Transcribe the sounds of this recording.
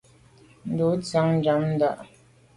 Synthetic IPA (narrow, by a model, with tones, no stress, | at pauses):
n̩˨du˨˦t͡sa˨˦ŋn̩˦d͡ʒa˨˦mn̩˦da̰˦˨ʔ